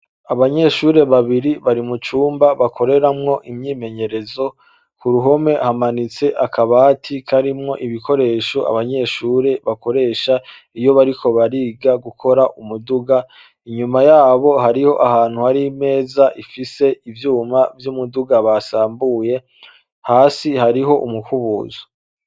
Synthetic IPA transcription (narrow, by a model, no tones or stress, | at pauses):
aβaɲe̞ʃuːɾe̞βaβiɾiβaɾimut͡ʃuːmbaβakʰo̞ɾe̞ɾamŋo̞ʔimɲiːme̞ɲe̞ɾe̞zo̞ | kuɾuɦo̞me̞hamanit͡se̞ʔakʰaβatʰikʰaɾimŋo̞ʔiβikʰo̞ɾe̞ːʃoʔa̰βaɲe̞ʃuːɾe̞βako̞ɾe̞ːʃa | ijo̞βaɾikʰo̞βaɾiːɡaɡukʰo̞ɾaʔumuduɡa | iɲumajaːβo̞ɦaɾiho̞ʔahaːn̥huhaɾime̞ːzaʔifise̞ivjuːmavjumuduɡaβasaːmbuːje̞ | haːsihaɾiɦo̞ʔumukuβṵːzo̥